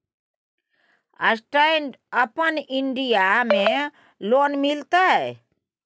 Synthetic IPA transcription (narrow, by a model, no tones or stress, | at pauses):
əsʈaɪɳɖ | əpəniɳɖijamẽ | loːnmilt̪aɦɛ